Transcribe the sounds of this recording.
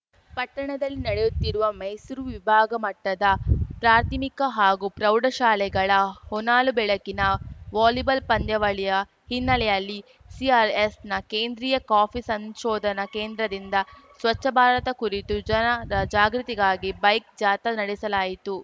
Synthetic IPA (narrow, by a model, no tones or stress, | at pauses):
pɐʈːɐɳɐd̪ɐlːinɐɽejut̪ːiɾuʋɐmɐjsuɾuʋibʱaːɡɐmɐʈːɐd̪ɐpɾaːɾt̪ʰimikɐɦaːɡupɾɐwɖɐʃaːlɛɡɐɭɐhɔnaːlubɛɭɐkinɐʋaːlibɐlpɐnd̪jɐʋɐɭijɐ | hinːɐlɛjɐlːi | siaːɾesnɐkeːnd̪ɾiːjɐkaːpʰisɐnʃɔːd̪ʱɐnɐkeːnd̪ɾɐd̪ind̪ɐsʋɐt͡ʃːɐbʱaːɾɐt̪ɐkuɾit̪ud͡ʒɐɐɐd͡ʒaːɡɾut̪iɡaːɡibɐjk̚d͡ʒaːt̪ɐnɐɽɛsɐlaːjit̪u